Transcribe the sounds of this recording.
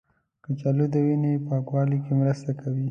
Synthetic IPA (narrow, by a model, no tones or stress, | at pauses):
kət͡ʃalud̪əwinepaɡwɑlikemɾəst̪akʰawi